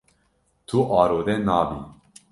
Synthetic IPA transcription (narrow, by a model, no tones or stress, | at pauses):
t̪ʰuʔɑːɾoːd̪ɛnɑːbi